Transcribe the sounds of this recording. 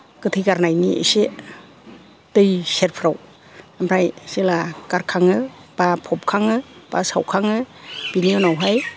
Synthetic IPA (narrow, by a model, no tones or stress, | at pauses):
kɯtʰɯjɡaɾnajniʔḛse | dɯjseɾpʰɾaw | amɾajselakaɾkʰaŋɯb̥apʰɔp̚kʰaŋɯb̥a̰sawkʰaŋɯb̥inijɔnawɦaj